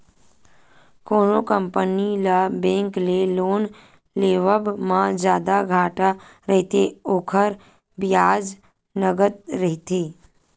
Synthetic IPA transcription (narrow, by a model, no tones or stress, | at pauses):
koːnokəmpənilabẽːŋkleloːn | leːʋəbmãd͡ʒjaːd̪aɡʱaːʈaɾəɦt̪eoːkʰəɾ | bɪjaːd͡ʒ | nəɡət̪̚ɾəɦɪt̪eː